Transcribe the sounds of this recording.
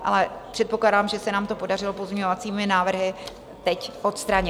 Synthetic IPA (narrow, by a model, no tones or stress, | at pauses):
ʔa̰lɛpr̥ɛt̪̚po̞klaːdaːmʒɛsɛnaːmt̪o̞po̞darɪlo̞pozmɲovat͡siːmɪnaːvr̩ɦɪ | t̪ɛcʔo̞t̪st̪ɾaɲɪ